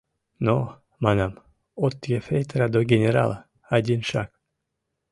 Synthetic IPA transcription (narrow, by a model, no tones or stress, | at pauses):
no | mɑnɑm | ot̪ːjefejt̪ɾad̪oɡʲenʲeɾa̰lˠa | ɑdʲinʃɑ̰k̚